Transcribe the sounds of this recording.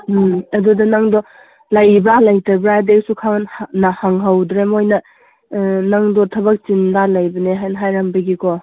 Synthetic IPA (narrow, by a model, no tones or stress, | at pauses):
ɐdudɐnaŋdɔ | lɐjbalɐjtɐbɾadek̚sukʰaŋnnɐhaŋɦɐwdɾemojnɐ | naŋdɔtʰɐbɐk̚t͡ʃinlalɐjbɐneɦajnɦajɾɐmbɐɡikɔ